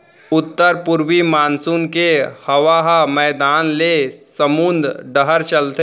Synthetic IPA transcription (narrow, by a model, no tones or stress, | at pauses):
ʊt̪ːəɾpʊɾwimaːnsuːnkehɐʋaɦamɛːd̪aːnlesəmund̪ɖəɦəɾt͡ʃəlt̪e